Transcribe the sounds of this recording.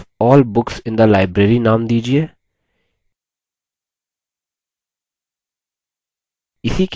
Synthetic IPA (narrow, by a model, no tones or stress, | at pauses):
ɔːlbʊksɪ̃nd̪əlaːɪbɾeːɾinaːmd̪iːd͡ʒieː | ɪsik